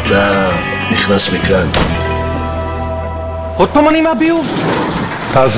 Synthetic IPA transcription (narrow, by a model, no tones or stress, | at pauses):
t̪ʰa | niχnasmikan | od̪̚t̪omanimabiuv | taz